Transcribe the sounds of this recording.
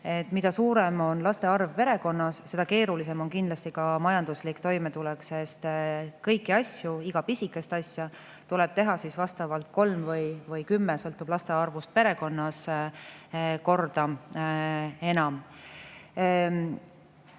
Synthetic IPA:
e̞t̪ːˑmid̪ɑsuːɾe̞mo̞nlɑst̪e̞ɑrvpe̞ɾe̞ko̞nːɑsse̞d̪̥ɑke̞ːɾulis̬e̞mo̞nkind̥̪lɑst̪ikɑmɑjɑnd̪̥uslikt̪o̞jmet̪ulɛksest̪kɤjkːˑiɑsjuiɡ̥ɑpisikːˑe̞st̪ɑsʲjɑ | t̪ule̞b̥t̪e̞ɦɑsisvɑst̪ɑvɑlt̪̚ko̞lmvɤjvɤjkymːesɤlt̪ːub̥lɑst̪e̞ɑrvust̪̚pe̞ɾe̞ko̞nːɑs | ko̞rd̪̥ɑ | e̞nɑm

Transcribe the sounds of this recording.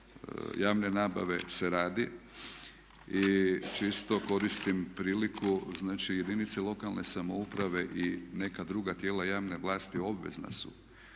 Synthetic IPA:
jaːʋne̞naːba̰ʋe̞seɾaːd̪i | it͡ʃist̪o̞ko̞ɾist̪impɾiːlikʰuznaːt͡ʃije̞d̪init̪selo̞kalne̞samoupɾaʋe̞ʔine̞kad̪ɾuːɡat̪je̞ːlajaːʋne̞ʋlˠaːst̪io̞bʋe̞̰zna̰sṵ

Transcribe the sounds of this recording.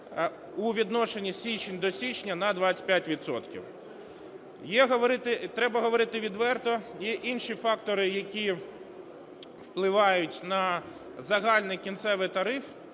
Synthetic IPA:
uʋʲid̪nɔʃenʲisʲit͡ʃenʲd̪ɔsʲit͡ʃnʲɐnɐd̪ʋat͡sʲɪ̥pjatʲʋʲid̪sɔ̰t̪kʲḭw | jɛɦɔʋɔɾɪt̪ɪt̪ɾɛbɐɦɔʋɔɾɪt̪ɪʋʲid̪ʋɛrt̪ɔjɛʔinʃifɑkt̪ɔɾɪjɐkʲi | wplˠɪʋɑjʊtʲnɐ | zɐɦɑlʲnɪjkʲint̪sɛʋɪt̪ɐɾɪf

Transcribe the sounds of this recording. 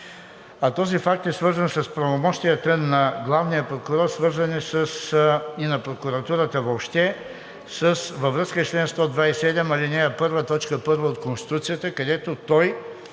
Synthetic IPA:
ɐt̪ɔzifak̚t̪ɛsvɤɾzənsɐspɾɐvomɔʃt̪iət̪ənɐɡlˠavnijəpɾokʊɾɔɾsvɤɾzənisəsinɐpɾokuɾɐt̪uɾət̪əvopʃt̪ɛ | səsvɐvɾɤskət͡ʃlɛnst̪ɔd̪vaisɛd̪ɛmɐlinɛjəpɤɾvət̪ɔt͡ʃkəpɤɾvəot̪konst̪i̥t̪ut̪sijət̪əkɐd̪ɛt̪ot̪ɔj

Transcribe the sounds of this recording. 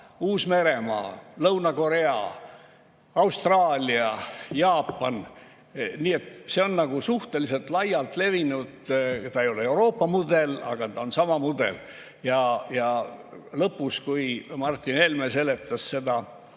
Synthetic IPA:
uːsme̞ɾe̞mɑ̰ːlɤwnɑko̞ɾe̞ɑ̰ | ɑwst̪rɑːlʲiɑjɑːpˑːɑn | niːe̞t̪ːˑseo̞nnɑɡ̥usuht̪e̞lise̞lt̪lɑjːɑlt̪ˑle̞vinud̪̥t̪ɑejo̞leewɾo̞ːpːɑmud̪e̞lɑ̰ɡ̥ɑt̪ɑonsɑmɑmud̪̥e̞̰l | jɑjɑ | lɤpːuskujmɑrt̪ːˑine̞lmese̞le̞t̪ːˑɑsse̞d̪̥ɑ

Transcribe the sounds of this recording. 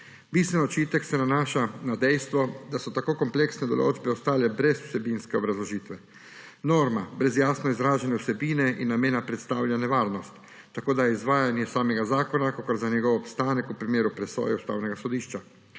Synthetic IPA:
bist̪ʋɛnɔt͡ʃiːt̪ɛksɛnanaːʃanad̪ɛjst̪ʋɔd̪asɔt̪akoːkɔmpleksnɛd̪ɔlo̰ːd͡ʒbɛɔst̪aːlɛbɾɛsu̥sɛbiːnskɛobɾazlɔʒiːt̪ʋɛ | noːɾmabɾɛzjaːsnɔizɾaːʒanɛusɛbiːnɛʔḭnːameːnapɾɛt̪st̪aːwlʲjanɛʋaːɾnɔst̪ː | akoːd̪ajɛizʋaːjanjɛsaːmɛɡazaːkɔnakokoɾzanɛɡɔwopst̪aːnɛkupɾimjeːɾupɾɛso̰ːjɛust̪a̰wnɛɡasɔd̪iːʃt͡ʃa

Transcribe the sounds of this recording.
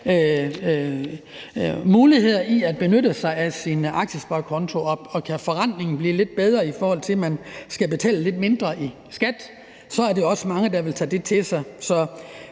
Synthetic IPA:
ø | muːlihe̝ð̞̰ˠɐiæd̥̚b̥e̝nøɾəsɑ̈ɪæsinɑ̈ɡ̥ɕəsb̥ɑkʰɒ̽nt͡sʰo̝ɒ̽ɒ̽kʰæfɒʁɑn̰ne̝ŋn̩b̥lḭːle̝d̥̚b̥eð̞ˠʁɐifɒːhɒ̽l̰t͡sʰe̝mænsɡ̥æb̥e̝t͡sʰɛ̰ːləle̝d̥me̝nd̥ʁɐʔi | sɡ̥æd̥ | sɒ̽æɐde̝oɒ̽səmɑ̈ŋəd̥ɑ̈ʋe̝lt͡sʰɛ̰ːd̥e̝t͡sʰe̝sɑ̈ɪsɒ̽

